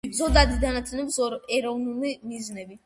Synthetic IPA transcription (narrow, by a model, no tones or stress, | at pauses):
zɔd̪ad̪id̪anat̪ʰɛnɛbzɔɛɾɔvnulimiznɛbi